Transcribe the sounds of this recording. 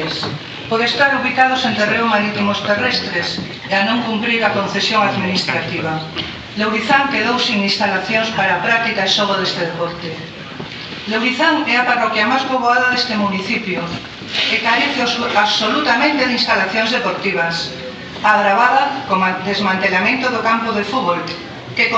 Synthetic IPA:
s | poðest̪aɾuβikað̞osent̪ereomaɾit̪imost̪erɛst̪ɾes | eanõŋkumpɾiɾakonθesjoŋaðminist̪ɾat̪iβ̞a | lewɾiθaŋkeðowsiŋinst̪alaθjoŋspaɾaːpɾak̚t̪ikaesoɣoðest̪eðepɔɾt̪e | lewɾiθaŋɛaparɔkjamajspoβoaðaðest̪emuniθipjo | ekaɾeθaβsolut̪amẽnt̪eðinst̪alaθjõŋzðepoɾt̪iβ̞as | aɣɾaβaðakomad̪ezmãnt̪elamẽnt̪oðokampoðefuβol | keko

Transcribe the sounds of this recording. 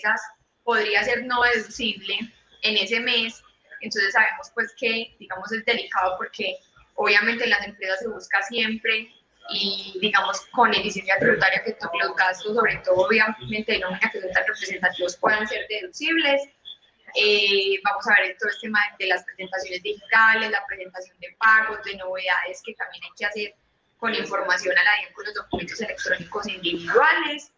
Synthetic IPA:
sas | po̞ðɾiase̞ɾno̞ðeðusiβle̞ː | ne̞se̞me̞s | ent̪o̞nse̞sːaβe̞mo̞spwe̞ske̞d̪iɣamo̞se̞zd̪e̞likaðopo̞ɾke̞ | o̞βjamẽnt̪elas̬e̞mpɾe̞saseβuskasje̞mpɾe̞ | iðiɣamo̞sko̞ne̞fisje̞ns̬jat̪ɾiβut̪aɾjaket̪omelo̞zɡast̪osːo̞βɾe̞t̪o̞ðooβjamẽ̞nt̪eenomĩnakeso̞nt̪anrepɾe̞s̬e̞nt̪at̪iβospwe̞ðanse̞ɾd̪e̞ðusiβle̞s | ebamo̞saβeɾet̪ooest̪emaed̪elaspɾese̞nt̪asjo̞ne̞zd̪ihit̪ale̞zlapɾe̞se̞nt̪asjo̞nd̪e̞paɣo̞zd̪e̞no̞βe̞ðaðe̞ske̞t̪ambje̞najkease̞ɾ | ko̞niɱfo̞ɾmasjo̞nalaekolo̞zd̪okument̪o̞s̬e̞le̞k̚t̪ɾo̞niko̞sind̪iβiðwale̞s

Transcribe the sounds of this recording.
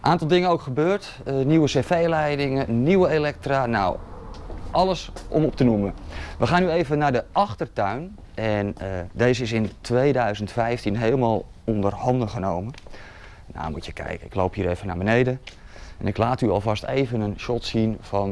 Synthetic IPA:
nʔaːntɑlˠdɪŋənowkχəbøːrt | əniwəsefejlɛjdɪŋəniwəelɛk̚trana̰w | ʔɑləsʔɔ̰mɔp̚tənuməʋəχaːnyejvənːaɹdəʔɑχtərtœɥn | ɛnədeːzəɪs̬ɪntʰʋejdœɥzəntfɛjftinɦeːlˠmaːlˠ | ɔndərhɑndəχənowmə | na̰mutjəkʰɛ̰jkəɪ̰klo̰wphiːɾevəna̰ːbənejdə | ɛnɪklaːtyɑ̰lˠvɑstḛjvənənʃɔtsinfɔn

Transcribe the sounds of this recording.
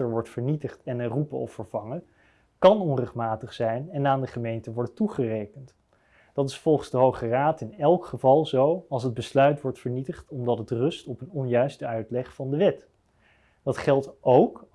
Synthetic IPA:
əɹʋɔɹtfəɹnitəχtɛnərupəɔ̰fəɹv̥ɑŋə | kɑnɔnrɛχtmaːtəχsɛjnɛnaːndəχəmejntəʋɔɹdətuχərejkənt | d̥ɑtɪsfɔlˠχənzdəɦowχəraːtɪnɛlˠkχəvɑlˠzowɑlˠs̬əd̚bəslœɥtʋɔɹtfəɹnitəχtɔmdɑtɦətrɵstɔpənɔnjœɥstəœɥtlɛχfɑndəʋɛt | d̥ɑtχɛlˠtowk

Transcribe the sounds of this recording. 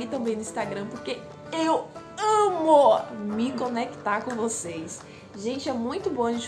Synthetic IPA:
it̪ɐ̃mbẽj̃nʊĩst̪aɡɾɐ̃poɾke | ew | ɐ̃momɪkõnekt̪aɾkõvosejs | ʒẽnt͡ʃɪɛmũj̃t̪ʊbõɐʒẽt͡ʃ

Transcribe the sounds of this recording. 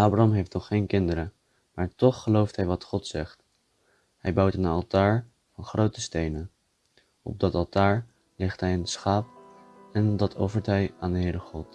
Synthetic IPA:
ʔaːbraɑmɦejftnɔχːejnkɪndəɾə | maːɹtɔχːəlowftɦɛjʋɑtχɔtsɛχt | hɛjbʌwtənɑ̰lˠtaːɹ | vɑnχrowtəstejnən | ɔ̰b̚dɑtɑlˠtaːɹ | lɪχtɦɛjənsχaːp̚ | ɛndɑtʰɔfəɹtɦɛjaːndəɦɪːɾəχɔt

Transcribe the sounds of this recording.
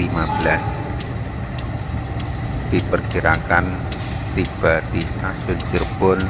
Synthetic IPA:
limablas | d̪̥i̤pərkiɾakan | t̪ib̥ad̪̥isasʊnt͡ʃərb̥ʊn

